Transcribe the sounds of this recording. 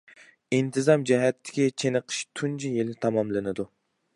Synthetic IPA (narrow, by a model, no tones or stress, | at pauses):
int̪ʰɨzɑmd͡ʒɛɦɛt̪ʰːɪ̥kʲit͡ʃʰenɨqʰə̥ʃt̪ʰunt͡ʃʰijelɪt̪ʰɑmɑmlˠɨnɨd̪u